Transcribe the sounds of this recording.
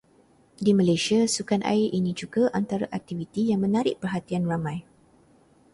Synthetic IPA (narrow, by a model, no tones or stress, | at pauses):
dimãlajsiasukanʔa̰ɪrʔinĩd͡ʒuɡaʔant̪aɾaʔak̚t̪ivit̪ijaŋmə̃naɾɪʔpərɦat̪ianramãj